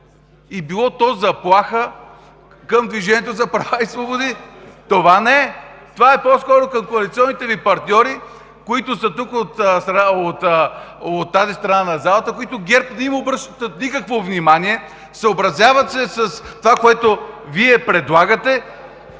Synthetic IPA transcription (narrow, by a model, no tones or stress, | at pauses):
ibilˠɔt̪ɔzɐplˠaxə | kəmd̪viʒɛniɛt̪ozɐpɾɐvaisvobod̪it̪ovanɛɛt̪ovaɛpɔskɔɾokɐmkoɐlit̪siɔnːit̪ɛvipɐɾt̪ʲnʲɔɾi | koit̪ʊsət̪ukot̪st̪ɾɐot̪ | ot̪ːazist̪ɾɐnanɐzalˠət̪əkoit̪oɡʲɛɾpd̪ɐimobɾəʃt̪ət̪ət̪nʲikəkvovnʲimaniɛ | səobɾɐzʲjavət̪sɛsəst̪ovakoɛt̪oviɛpɾɛd̪lˠaɡət̪ɛ